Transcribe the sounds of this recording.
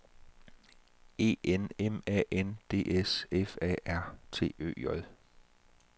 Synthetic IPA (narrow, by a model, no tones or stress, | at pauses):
e̝̰ːenemɛ̰ːʔend̥e̝̰ːʔesefɛ̰ːæɐ̰t͡sʰe̝̰ːø̰ːjɒl